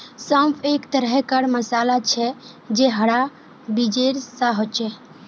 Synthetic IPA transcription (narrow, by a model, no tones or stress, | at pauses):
səmpʰekt̪əɾɦkəɾməsaːlat͡ʃʰɛ | d͡ʒeɦəɽa | bid͡ʒeɾsãɦot͡ʃɛ